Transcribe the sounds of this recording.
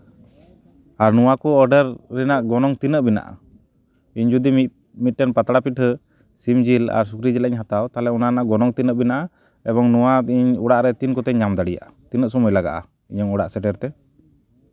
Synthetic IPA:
aɾnɔwakɔɔɖəɾːɛnaʔɡɔnɔŋt̪inəʔbina̰ʔa̰ | iɲd͡ʒud̪i | mit̪̚ʈɛnpat̪aɽapiʈɦə | simd͡ʒila̰ɾsukɾid͡ʒɛlaʔiɲɦat̪awt̪alɛɔnanaʔɡɔnɔŋt̪inəʔbinaʔa | ɛβɔŋnuwaiɲuɽaʔɾɛt̪inkɔt̪ɛɲɲamd̪aɽija̰ʔat̪inəʔsɔmujlaɡa̰ʔa̰ | iɲəŋuɽa̰ʔsɛʈɛɾt̪ɛ

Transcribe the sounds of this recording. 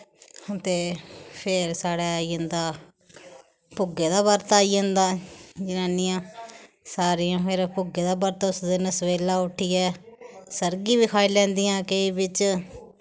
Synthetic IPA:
t̪eːpʰeɾsaːɽɛːaːiə̃nd̪aː | pʊɡeːd̪aːbəɾt̪aːiːə̃nd̪aːd͡ʒɪnaːniːãː | saːɾiːãːpʰɪɾpʊɡeːd̪aːbəɾt̪ʊsd̪ɪnəsəʋeːlaːʊʈʰiːɛːsəɾɡiːbiːkʰaːilɛ̃ːnd̪ijãːkeiːbɪt͡ʃ

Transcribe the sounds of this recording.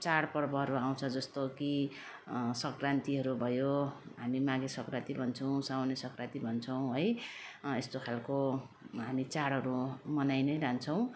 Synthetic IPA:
t͡saɽpʌrbʌɦʌɾʌaw̃t͡sʰʌd͡zʌst̪oki | sʌkrant̪iɦʌɾubʱʌjoɦamimaɡesʌkrat̪ibʱʌnt͡sʰʌw̃sawnesʌkrat̪ibʱʌnt͡sʰʌw̃ɦʌjest̪okʰalko | ɦamit͡saɽɦʌɾumʌnajnʌjɾant͡sʰʌw̃

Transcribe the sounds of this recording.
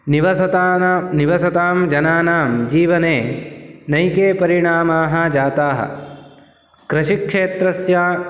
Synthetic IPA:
niʋɐsɐt̪aniʋɐsɐt̪aːmd͡ʒɐnaːnaːmd͡ʒiːʋɐneːnɐjkeːpɐɾiɳaːmaːɦɐd͡ʒaːt̪aːɦɐ̰ | kɾɐʃikʂeːt̪ɾɐsjaː

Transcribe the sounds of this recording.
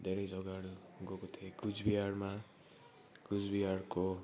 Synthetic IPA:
d̪ʱeɾʌjd͡zʌɡaɽuɡokot̪ʰekud͡zbiɦaɾma | kud͡zbiɦaɽko

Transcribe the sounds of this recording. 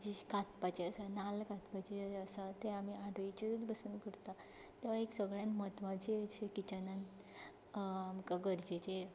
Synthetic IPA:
d͡ʑikat̪pat͡ɕeəsanalkat̪pat͡ɕeəsat̪eamiaɽʱoit͡ɕid̪ut͡sbəsuːnkəɾt̪a | t̪eʋaeksəɡɭjãnmɦət̪ʋãt͡ɕeɕekit͡ɕanan | amkaɡəɾd͡ʑet͡ɕe

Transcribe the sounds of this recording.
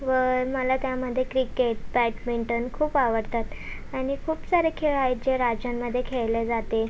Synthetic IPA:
ʋəɾməlat̪jaməd̪ʱːjekɾikeʈ̚bæʈmeɳʈənkʰuːpaʋəɾt̪at̪ | aɽ̃ikʰuːpsaɾekʰeɭajd͡ʑeɾad͡ʑjamːəd̪ʱːjekʰeɭled͡zat̪e

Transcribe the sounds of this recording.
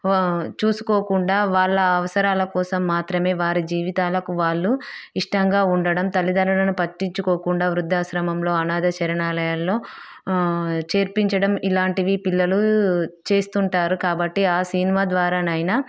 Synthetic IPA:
t͡ʃuːsu̥koːkuɳɖaːʋaːɭːɐːʋɐsɐɾaːlɐkɔːsɐmːaːt̪ɾɐme̞ːʋaːɾid͡ʒiːʋit̪aːlɐkuʋaːɭːuiʂʈɐŋɡaːuɳɖɐɽɐmt̪ɐlːid̪ɐluɽɐnupɐʈːiɲt͡ʃukɔːkuɳɖaːʋɾud̪ʱːaːsɾɐmɐmlo̞ːɐnaːd̪ɐt͡ʃɐɾɐnaːlɐjaːlːo̞ː | t͡ʃe̞ːɾpiɲt͡ʃɐɽɐmilaːɳʈiʋipilːɐlut͡ʃe̞ːst̪uɳʈaːɾukaːbɐʈːiaːsinimaːd̪ʋaːɾaːnɐjnɐ

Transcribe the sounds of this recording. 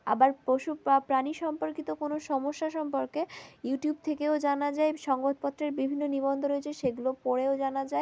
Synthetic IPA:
a̰baɾpɾoʃupɾaniʃɔmpoɾkit̪okonoʃɔmoʃːaʃɔmpoɾkejuʈijub̚t̪ʰekeod͡ʑanad͡ʑaeʃɔŋɡot̪pɔt̪ːɾeɾbibʱinːonibɔnd̪ʱoɾoet͡ɕʰeʃeɡulopɔɽeod͡ʑanad͡ʑae

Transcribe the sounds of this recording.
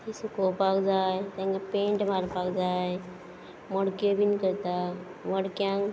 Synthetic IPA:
isukopakd͡zaːjt̪ẽŋɡapẽːɳʈmaɾpakd͡zaː | moɽkobinikəɾt̪a | ʋəɽkjãŋ

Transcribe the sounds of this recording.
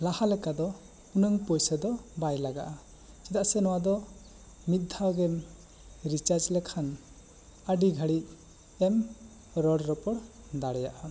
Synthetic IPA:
lahalɛkad̪ɔ | unəŋpɔjsəd̪ɔbajlaɡa̰ʔa | t͡ʃɛt̪aʔsɛnɔwad̪ɔ | mit̪̚d̪ʱawɡɛm | ɾit͡ʃaɾd͡ʒlɛkʰan | əɖiɡʱəɽiʔ | ɛm | ɾɔɽɾɔpɔɽ | d̪aɽɛjaʔa

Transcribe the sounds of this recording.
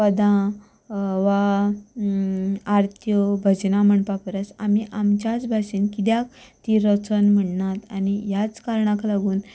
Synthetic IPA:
pəd̪ʱã | ʋa | aɾt̪ʰjɔbʱəd͡ʑnaməɳpapəɾət͡samiʔamt͡ɕat͡sbʱaɕiːnkid̪jak̚t̪iɾət͡sənm̤əɳːat̪anijat͡skaɾɳãklaɡuːn

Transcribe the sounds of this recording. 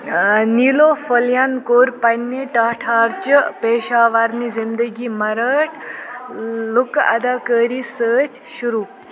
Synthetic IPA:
niːloːfɐljankoːɾpɐnːeʈaːʈʰaːɾt͡ʃəpeːʃaːʋaɾnizind̪əɡiːmɐɾəːʈʰ | lʊkɐd̪aːkəːɾisəːt͡ʃ | ʃuɾuː

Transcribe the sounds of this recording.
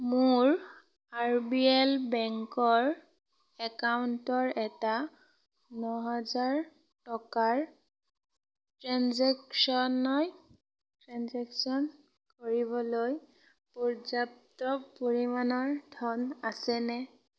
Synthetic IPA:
mʊɹ | aɹbiɛlbɛŋkɔɹ | ɛkawntɔɹɛta | nɔɦazaɹ | tɔkaɹ | tɹanzɛksɔnɔj | tɹanzɛksɔn | koɹibɔloj | pɔɹzap̚tɔpoɹimanɔɹdʱɔnasɛnɛ

